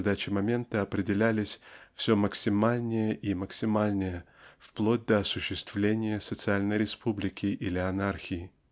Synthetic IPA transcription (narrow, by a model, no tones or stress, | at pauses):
d̪at͡ɕɪmɐmʲe̞nt̪əɐpɾʲɪdʲɪlʲælʲɪsʲfsʲoməksʲɪmalʲnʲɪjəʔiməksʲɪmalʲnʲɪjə | fplˠod̚ʲd̪əɐsʊɕːɪst̪vlʲenʲɪjəsət̪sɨalʲnəjɾʲɪspʰublʲɪkʲɪʔɪlʲɪɐnarxʲɪɪ